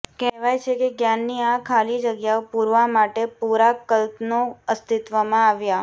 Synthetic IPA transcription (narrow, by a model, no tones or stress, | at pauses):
kɛɦʋajt͡ʃʰekeɡjanːiakʰalid͡ʒəɡjaopuɾʋamaʈepuɾakəlt̪noəst̪it̪ʋamãaʋja